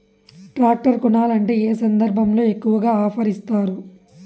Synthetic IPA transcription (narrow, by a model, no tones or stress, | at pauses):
ʈɾaːk̚ʈɐɾkunaːlɐɳʈe̞ːeːsɐnd̪ɐɾbʱɐmlo̞ːe̞kːuʋɐɡaːaːpʰɐɾist̪aːɾu